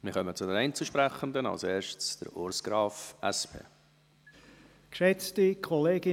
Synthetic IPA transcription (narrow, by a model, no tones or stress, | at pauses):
mɪχœmət͡sʊdɛnɛɪnt͡suʃpɾæχənd̪ənɑ̰lseːʃtt͡sd̥ə̰ɾoɾsɡ̥ɾɑːfʔɛspʰḛː | kʃɛt͡stikʰɔleːɡ̥ɪ